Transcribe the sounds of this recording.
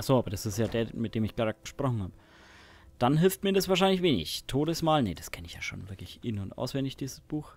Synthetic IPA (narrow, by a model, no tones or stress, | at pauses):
ʔaχz̥oːʔaːbɐd̥asɪstjaːdeːɐmɪt̚d̥eːmɪçɡ̥ʁaːd̚ɡ̥əʃpʁ̥ɔχn̩haːbə | d̥anɦɪlftmiːɐdasv̥aːɐʃ̬aɪnlɪçveːnɪ̰çtʰoːdəsmaːlnəd̥askʰɛnɪçjaːʃo̰ːnvɪɐklɪçʔɪnʊntʔa̰ʊsv̥ɛndɪçd̥iːzəsb̥uːx